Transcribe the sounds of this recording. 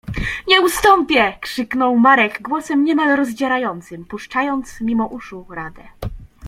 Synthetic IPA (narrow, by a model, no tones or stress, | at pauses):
ɲɛust̪ɔmpʲjɛkʂɘknɔwmaɾɛɡɡwɔsɛmɲɛmalɾɔzd͡ʑaɾajɔnt̪sɘmpuʂt͡ʂajɔnt̪smʲimɔʔuʂuɾad̪ɛ